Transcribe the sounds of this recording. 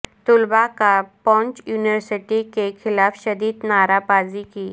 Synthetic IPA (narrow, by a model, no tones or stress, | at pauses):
t̪ʊlbakapɔ̃ːɲt͡ʃjuːniʋəɾsɪʈikexʰɪlaːfʃɐd̪iːd̪naːɾapaːzikiː